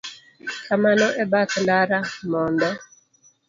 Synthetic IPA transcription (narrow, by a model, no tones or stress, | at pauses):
kamanɔʔɛbakndaɾamɔnd̪ɔ